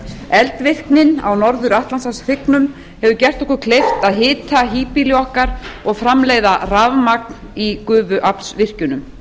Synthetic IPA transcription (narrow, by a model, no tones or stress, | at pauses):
ɛlt̪vɪhknɪna̰wnɔɾðʏɾaht̪lansasθɪknʏm | hɛvʏcɛr̥t̪ɔhkʏɾ̥kʰlejft̪aðɦɪːt̪ʰaɦiːpiljɔhkaɾɔɣfɾamleːjðaravmak̚nikʏːvʏʔapnsvɪr̥cʏnʏm